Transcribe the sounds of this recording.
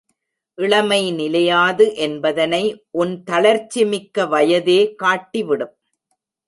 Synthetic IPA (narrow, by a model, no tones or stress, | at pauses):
ʔɪɭɐmɐɪnɪlɐjaːðɯʔɛnbɐðɐnɐɪʔʊnt̪ɐlɐɾt͡ʃːɪmɪkːɐʋɐjɐðeːkaːʈːɪʋɪɽɯm